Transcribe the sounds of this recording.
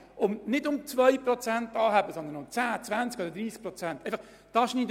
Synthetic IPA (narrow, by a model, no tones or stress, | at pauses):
ʊmnɪdʊmt͡svœjprɔt͡sæntɑːɦæbəsɔnd̪ənʊmt͡sæːt͡svænt͡skɔd̪əɾdɾiːsk̚pɾɔt͡sæntʔeɪfɑχ | d̥ɑʃniːd